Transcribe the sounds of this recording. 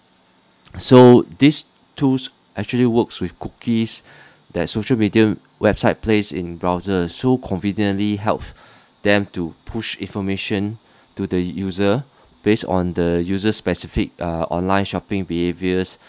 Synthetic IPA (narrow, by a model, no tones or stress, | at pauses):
sodis | tʰus | ʔɛk̚t͡ʃuəliwəkswɪfkukʰis | dɛt̚soʃəlmidiə | wɛbsaɪt̚plesḭ̃nbɹaʊzəsokʰɔ̃nvĩnjə̃nliɦɛ̰lp | d̥ɛ̃mtupʰuʃĩnfɔmeʃə̃n | tudəjuzə | b̥esɔ̰̃ndəjuzəspɛsifik̚ʔɔ̰̃nlãɪ̃nʃɔpɪ̃ŋbiheviəs